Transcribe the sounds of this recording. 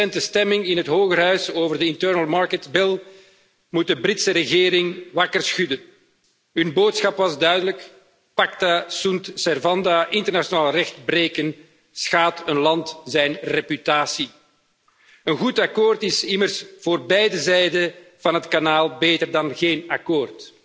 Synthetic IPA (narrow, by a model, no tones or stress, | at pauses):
ɛntəstɛmɪŋɪnɦətɦoːɣərɦœɥsoːvərdəɪntœɹnəlˠmɑɹkətbɪlˠ | mut̚dəbrɪtsəɾəɣeːɾɪŋʋɑkərsxydən | ɦɵnboːtsxɑpʋɑzdœɥdələk | pɑktasuntsɛrvɑndaʔɪntərnasjonaːlˠrɛxtbɾeːkən | sxaːtənlɑntzɛjnrepytaːsi | ənɣutɑkoːrtɪsɪmərsv̥oːrbɛjdəzɛjdəv̥ɑnɦətkanaːlˠbeːtərdɑnɣeːnɑkoːrt